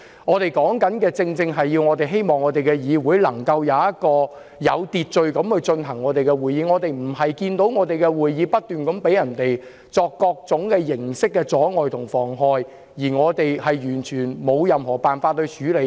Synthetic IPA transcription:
ŋɔː˨˧t̪e˨˩jkɔː˨˥ŋkɐ˨˥nkɛː˧t͡sɪ˧ŋt͡sɪ˧ŋɦɐ˨jːiː˧wŋɔː˨˧t̪e˨jɦe˥jmɔː˨ŋːɔː˨˧t̪e˨jkɛ˧jiː˨˧wuː˨˥jlɐ˨˩ŋkɐ˧wjɐ˨˧wjɐ˥t̚kɔː˧ | jɐ˨˧wt̪iː˨t̚t͡ʃɵ˨˧ɥkɐ˨˥mhɵ˨˧ɥt͡ʃɵ˧nɦɐ˨˩ŋːɔː˨˧t̪e˨jkɛ˧wuː˨˩jiː˨˧ŋɔː˨˧t̪e˨jm̩˨˩ɦɐ˨jkiː˧nt̪o˨˥wŋɔː˨˧t̪e˨jkɛ˧wuː˨jjiː˨˧pɐ˥t̚t̪yː˨nkɐ˨˥mpe˨˥jɐ˨˩nt̪e˨j | t͡sɔː˧kːɔː˧k̚t͡sʊ˨˥ŋkɛː˧jɪ˨˩ŋsɪ˥kːɛː˧t͡sɔː˨˥ŋɔː˨jt̪ʰʊ˨˩ŋfɔː˨˩ŋɦɔː˨˧j | jiː˨˩ŋɔː˨˧t̪e˨jhɐ˨jjyː˨˩nt͡ʃʰyː˨˩nmo˨˧wjɐ˨mhɔː˨˩paː˨nfaː˧t̪̚ːɵ˧ɥt͡ʃyː˨˥le˨˧˥

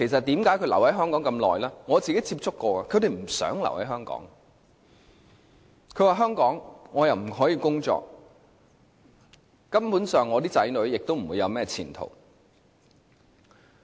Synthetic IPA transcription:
kʰe˨˩js̬ɐ˨t̚t̪iː˨˥mkaː˨˥jkʰɵ˧lɐ̰˨˩whɐ˨˥jɦœː˥ŋkɔː˨˥ŋkɐ˧mlɔ̰ː˨jlaː˥ŋɔː˨˧t͡siː˨ke˨˥jt͡sʰiː˧p̚t͡sʊ˥kːɔː˧aː˨kʰɵ˨˧ɥt̪e˨jm̩˨˩sœ̰ː˨˥ŋlɐ̰˨˩whɐ˨˥jɦœː˥ŋkɔ̰ː˨˥ŋ | kʰɵ˨˧ɥwaː˨ɦœː˥ŋkɔː˨˥ŋŋɔː˨˧jɐ˨wm̩˨˩ɦɔː˨˥jiː˨˧kʊ˥ŋt͡sɔ̰ː˧k̚ | kɐ˥mpuː˨˥nsœː˨ŋːɔː˨˧t̪iː˥t͡sɐ˨˥jnɵ˨˥ɥjɪ˨k̚t̪o˥wm̩˨˩wuː˨˧jɐ˨˧wmɛː˥t͡sʰḭː˨˩nt̪ʰo̰˨˩w

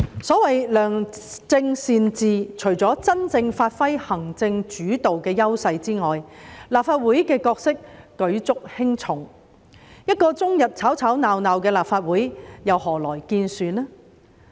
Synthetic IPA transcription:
sɔː˨˥wɐ˨jlœː˨˩ŋt͡sɪ˧ŋsiː˨˧nt͡siː˨t͡ʃʰɵ˨˩ɥt͡sɔː˨˥t͡sɐ˥nt͡sɪ˧ŋfaː˧t̚fɐ˥jhɐ˨˩ŋt͡sɪ˧ŋt͡ʃyː˨˥t̪o˨wkɛː˧jɐ˥wsɐ˧jt͡siː˥ŋɔː˨jlaː˨p̚faː˧t̚wuː˨˥jkɛː˧kɔː˧k̚sɪ˥k̚ːɵ˨˥ɥt͡sʊ˥k̚hɪ˥ŋt͡sʰʊ˨˩ŋ | jɐ˥t̚kɔː˧t͡sʊ˥ŋjɐ˨t̚t͡sʰaː˨˥wt͡sʰaː˨˥wnaː˨wnaː˨wkɛː˧laː˨pfaː˧t̚wuː˨˥jjɐ˨whɔː˨˩lɔː˨˩jkiː˧nsyː˨nɛː˥

